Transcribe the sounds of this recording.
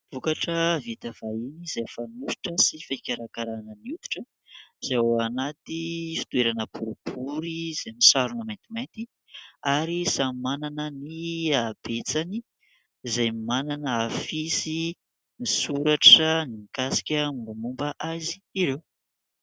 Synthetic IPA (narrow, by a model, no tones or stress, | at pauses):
v̥ukaʈ͡ʂəvit̪av̥ainizajfanuʃi̥ʈ͡ʂəsifakʲaɾakaɾanənut̪u̥ʈ͡ʂə | z̥aoanat̪ifi̥t̪ueɾanəbuɾib̥uɾiz̥ajmisaɾunamajnt̪imejnt̪i | aɾisamimananəniab̥et͡sani | zajmimananəafisi | nisuɾaʈ͡ʂənimikasi̥kʲəmubumumbaʔazi̥ːɾew